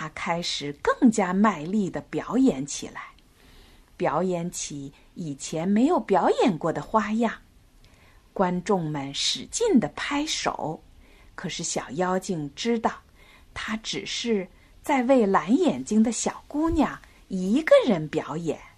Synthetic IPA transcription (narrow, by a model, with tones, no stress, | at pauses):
t̪ʰa˥kʰa˥ɪʂɻ̩˨˩kɤ˥˩ŋt͡ɕja˥ma˥˧ɪli˥˩d̪ə˩pjɑ˧˥ʊjɛ˧˩˦nt͡ɕʰḭ˨˩la˧˥ɪ | pjɑ˨˧˥ʊjɛ˧˥nt͡ɕʰi˧˥ | i˨˩t͡ɕʰjɛ˧˥nme˧˥ɪjo˨˧˩ʊpjɑ˧˥ʊjɛ˨˩nkwɔ˥˩d̪ə˩xwa˥jɑ˥˩ŋ | kwa˥nʈ͡ʂʊ˥˩ŋmə˨˩nʂɻ̩˨˩t͡ɕi˥˩nd̪ə˩pʰa˥ɪʂo̰˨˩˦ʊ | kʰɤ˨˩ʂɻ̩˥˩ɕjɑ˨˩ʊjɑ˥ʊt͡ɕi˥˩ŋʈ͡ʂɻ̩˥t̪ɑ˥˩ʊ | t̪ʰa˥ʈ͡ʂɻ̩˨˩ʂɻ̩˥˩˧ | t͡sa˥˧ɪwe˥˩ɪla˧˥njɛ˨˩nt͡ɕi˥ŋd̪ə˨ɕjɑ˨˩ʊku˥nja˥˩ | i˧˥ɡə˧ɻə˧˥npjɑ˧˥ʊjɛ̰˨˩˦n